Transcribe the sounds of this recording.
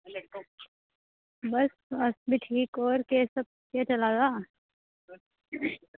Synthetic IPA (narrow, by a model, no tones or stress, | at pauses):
bɐs | ɐsbʱiʈʰiːkɔːɾkesəb̚ket͡ʃɐlad͡ʒaː